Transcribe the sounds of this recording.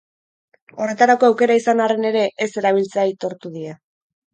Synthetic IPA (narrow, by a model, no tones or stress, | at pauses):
o̞re̞t̪aɾako̞awke̞ɾaisanare̞ne̞ɾe̞ʔese̞ɾaβ̞ilt͡seait̪o̞ɾt̪uðia